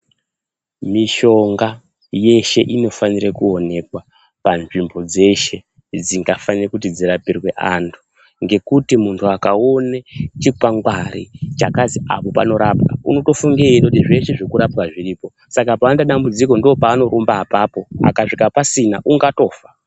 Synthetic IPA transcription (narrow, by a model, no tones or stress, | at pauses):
miʃo̞ŋɡa | je̞ʃe̞̰ʔino̞faniɾekuone̞kwa | panʐimbo̞d͡ze̞ʃe̞ | d͡ziŋɡafanirekut̬id͡ziɾapirwe̞ʔantʰu̥ | ŋɡe̞kutimuntʰuakaonet͡ʃikaŋɡwaɾḭt͡ʃakazia̰po̞pa̰no̞ɾapka̰ṵno̞to̞fuŋɡeinotiʐe̞ʃeʐekuɾapkaʐiɾiːpo̞ | sakapaːndaɗambud͡ziko̞ndopaːno̞ɾombaːpapo̞a̰kaʂikapasinaʔuŋɡato̞ːfḁ